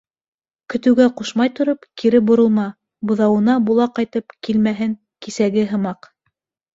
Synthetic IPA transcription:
kɵ̆t̪ɘ̆wɡæquʃmɑjt̪ŏɾopkiɾɘbŏɾŏlˠmɑ | bŏðɑwɤ̆nɑbulˠɑqɑjt̪ɤpkilmæɦɘŋ | kisæɡɘɦɤ̆mɑq

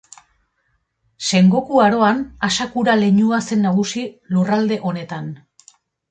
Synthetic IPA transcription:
se̞ŋɡo̞kuaɾo̞anasakuɾale̞ɲuase̞nːaɣ̞usilurald̪e̞ʔo̞ne̞t̪an

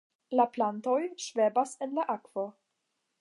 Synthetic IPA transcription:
laplantojʃvebasenlaʔakv̥o

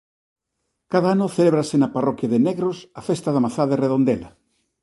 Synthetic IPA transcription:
kaðɐanʊθeleβɾasenɐparɔkjɐðeneɣɾosafest̪aðɐmaθaðereðond̪elɐa

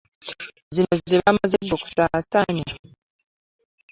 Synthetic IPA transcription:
zino̞ziβamazedːoku̥sasaɲa

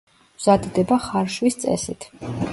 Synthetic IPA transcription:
vz̥ad̪d̪ɛbaχaɾʃwist̪sʼɛ̰sit̪ʰ

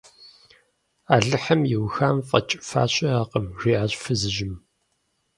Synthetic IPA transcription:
aːɮɨħɐmjɪwxaːmfʼɐ̰t͡ʃʼɪfa̰ːɕʼɐaːqəmʒ̥iːʕaːɕʼfɨzɨʒɪm

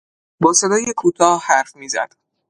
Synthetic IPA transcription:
bɒːse̞d̪ɒːje̞kʰuːt̪ʰɒːhhæɾfmiːzæ̰d̪̥

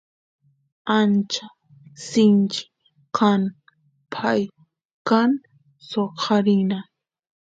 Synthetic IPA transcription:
ant͡ʃa | sɪnt͡ʃɪ̥ | kan | pʰaj | kan | soqʰɑɾɪna

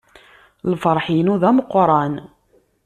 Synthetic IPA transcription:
lfəɾˤħinuðæməqːɾˤɑn

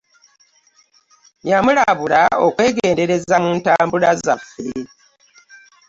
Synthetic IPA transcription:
jamulaβulaokwe̞ːɡeːnde̞ɾe̞zamuːntaːmbulazafuɾi

